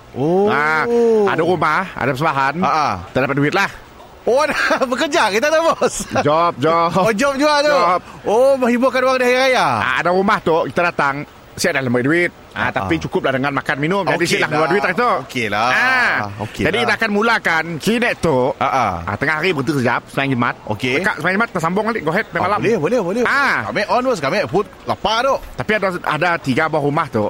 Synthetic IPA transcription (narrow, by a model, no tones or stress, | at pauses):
oaa̰daɾumaha̰dapəsəmbaɦanaʔkit̪ədapat̪̚duɪt̪̚lah | odabəkəd͡ʒakit̪adabɔsd͡ʒɔp̚d͡ʒɔod͡ʒɔp̚d͡ʒuat̪oɔp̚omə̃ŋhibʊkanwaŋdiɦaiɾajaa̰a̰daɾumaht̪ʊkit̪adat̪aŋ | siadaləmiduɪt̪̚a̰t̪apit͡ʃukʊp̚lahdəŋanmakanminʊmd͡ʒadisilahkəluaduit̪ait̪ookelaao̰kd͡ʒadikiaːkanmulakant͡ʃinɛʔt̪oaʔaʔa̰t̪əŋaɦaɾibət̪̬usəd͡ʒap̚səmajaŋd͡ʒəmat̪̚o̰keəkaʔsəmajaŋd͡ʒəmat̪̚tːasambʊŋaliʔɡoɦɛt̪̚pajmalamlɛbolɛhbolɛhaka̰mɛʔɔnwəskamɛʔfut̪̚lapaɾot̪apiadaa̰dat̪iɡabaaʔɾumaht̪ʊʔ